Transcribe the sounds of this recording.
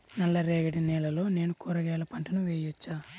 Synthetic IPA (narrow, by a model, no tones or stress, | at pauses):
nɐlːɐɾeːɡɐʈinɛːlɐlo̞ːne̞ːnukuːɾɐɡɛːlɐpɐɳʈɐnuʋeːjut͡ʃːaː